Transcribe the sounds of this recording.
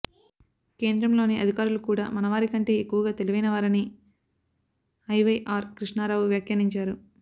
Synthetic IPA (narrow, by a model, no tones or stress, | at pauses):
ke̞ːnd̪ɾɐmlo̞ːniʔɐd̪ʱikaːɾulukuːɽa̰ːmɐnɐʋaːɾikɐɳʈe̞ːekːuʋɐɡaːt̪e̞liʋɐjnɐʋaːɾini | ɐjʋɐjʔaːɾkɾiʂɳaːɾaːʋuʋjaːkjɐniɲt͡ʃaːɾu